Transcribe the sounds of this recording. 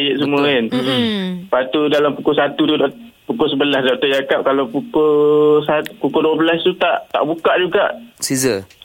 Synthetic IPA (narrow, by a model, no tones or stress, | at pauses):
jɛʔ̚s̬əmũəɪn | pat̪udalampukʊsat̪ut̪udɔʔ | pukʊsəbəlasdɔʔt̪əd͡ʒakap̚kalapukʊsat̪pukʊduəbəlast̪ut̪aʔt̪a̰ʔbukaʔd͡ʒuɡaʔsizə